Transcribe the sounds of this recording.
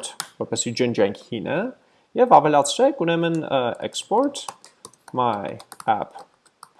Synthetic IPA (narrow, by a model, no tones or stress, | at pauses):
t̪ʰvɔɾpɛsid͡ʒənd͡ʒɛŋkʰhinʔə | jɛvɑvɛlɑt͡sʰɾɛkʰunɛmənɛ̰kspɔɾt̪ʰ | mɑjæ̰pʰ